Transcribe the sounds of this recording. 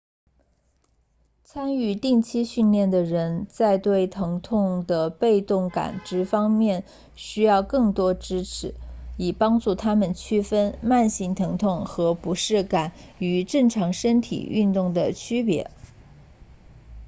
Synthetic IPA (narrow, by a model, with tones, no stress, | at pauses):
t͡sʰa˥ny˥˧t̪i˥˩ŋt͡ɕʰi˥ɕy˥˧nljɛ˥˩nd̪ə˩ɻə˧˥nt͡sa˥˧ɪt̪we˥˩ɪt̪ʰɤ˧˥ŋt̪ʰʊ˥˧ŋd̪ə˩pe˥˧ɪt̪ʊ˥˩ŋka̰˨˩nʈ͡ʂɻ̩˧˥fɑ˥ŋmjɛ˥˩n | ɕy˥jɑ˥˧ʊkɤ˥˩ŋt̪wɔ˥ʈ͡ʂɻ̩˥ʈ͡ʂʰɻ̩˧˥i˨˩pɑ˥ŋʈ͡ʂu˥˩t̪ʰa˥mə˨nt͡ɕʰy˥fə˥nma˥˧nɕi˧˥ŋt̪ʰɤ˧˥ŋt̪ʰʊ˥˩ŋxɤ˧˥pu˧˥ʂɻ̩˥˩ka˨˩˦ny˧˥ʈ͡ʂɤ˥˩ŋʈ͡ʂʰɑ˧˥ŋʂə˥nt̪ʰḭ˨˩y̰˥˧nt̪ʊ˥˩ŋd̪ə˩t͡ɕʰy˥pjɛ̰˧˥